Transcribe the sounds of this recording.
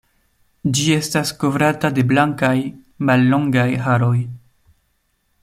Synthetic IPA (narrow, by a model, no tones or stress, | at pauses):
d͡ʒie̞stasko̞vɾatade̞blaŋkaj | malːo̞ŋɡajɦaɾo̞j